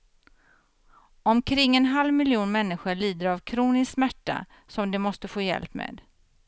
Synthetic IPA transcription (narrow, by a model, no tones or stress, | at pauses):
ɔmkʰɾɪŋːɛnɦalvmɪljuːnmɛnːɪɧʊɭiːd̪əɾavkʰɾuːnɪssmæʈːa̰ | sɔmd̪ɛmɔst̪əfoːjɛ̰lpmḛːd̪